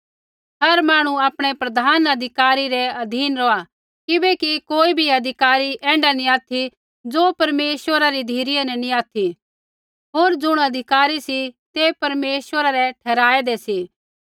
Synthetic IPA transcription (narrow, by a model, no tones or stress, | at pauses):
ɦɐɾmaːɽ̃ũaːpɽ̃ɛpɾɐd̪ʱaːnɐd̪ʱɪkaːɾiɾɛɐd̪ʱiːnɾɔa | kɪbɛkikoːibʱiɐd̪ʱɪkaːɾiʔɛ̃ːɳɖanĩaːt̪ʰi | d͡zopɐɾmeːswəɾaɾid̪ʱiːɾijenɛnĩaːt̪ʰi | ɦoːɾd͡ʒʊɽ̃ɐd̪ʱɪkaːɾisit̪epɐɾmeːswəɾaɾɛʈʰɛːɾaːɛd̪ɛsiː